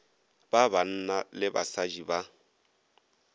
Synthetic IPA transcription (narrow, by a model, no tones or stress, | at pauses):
b̥aban̩nalɪba̰sad͡ʒiba